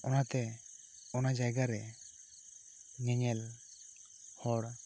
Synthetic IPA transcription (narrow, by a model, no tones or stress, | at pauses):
ɔnat̪ɛ | ɔnad͡ʒajɡaɾɛ | ɲɛɲɛl | hɔɽ